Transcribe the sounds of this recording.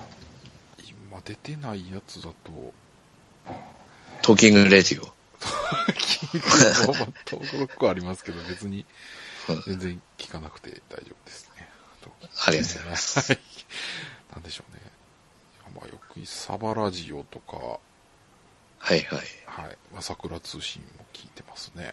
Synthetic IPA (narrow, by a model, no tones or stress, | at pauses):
imad̪e̞t̪e̞naijat͡sɨd̪at̪o̞̰ | t̪ʰoːkʲĩŋɡɯɾedio | t̪okʲiŋɡɯemat̪ʰːoːkɯɾokːɯaɾʲimasɨ̥ke̞d̪obe̞t͡sɨɲ̟ĩ | zẽ̞nd͡zẽŋkʲi̥kanakɯ̟̥t̪e̞̰d̪̥aiʑo̞ːb̥ɯ̟d̪e̞sɨ̥ne̞ | t̪ʰoːkʲĩ̥ŋaɾʲiasai | nãnd̪e̞ɕo̞ːne̞̰ | ama̰jo̰kɯ̟ɲʲisa̰baɾaʑio̞̰t̪o̞ka̰ | haihaihaḭmasakɯ̟ɾat͡sɨːɕḭ̃mːo̞kʲʰiːt̪e̞masɨne̞̰